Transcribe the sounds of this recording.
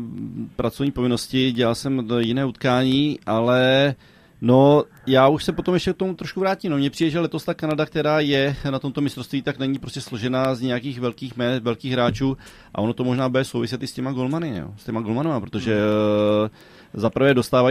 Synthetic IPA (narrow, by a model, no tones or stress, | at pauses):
pɾʔat͡sovɲiːpo̞vɪno̞scɪɟɛlalsɛmjɪnɛːut̪kaːɲiːʔalɛ | no̞ | jaːuʃsɛpo̞t̪o̞mjɛʃcɛk̚t̪o̞mut̪ɾo̞ʃkuvɾaːciːmnomɲɛpr̥iːdɛʒɛlɛt̪o̞st̪aːkanadak̚t̪ɛɾaːjɛnat̪o̞mt̪o̞mɪst̪ɾost̪viːt̪aknɛɲipɾoscɛslo̞ʒɛnaːzɲɛjakiːxvɛlkiːxmɛːt̪vɛlkiːxɣɦɾaːt͡ʃuː | ʔa̰ʔo̞not̪o̞mo̞ʒnaːbɛɛsowvɪs̬ɪt̪ɪscɛmaɡo̞lmanɪ̰o̰scɛmaɡo̞lmanomapɾo̞t̪oʒɛ | zapɾ̩vɛːdo̞st̪aːva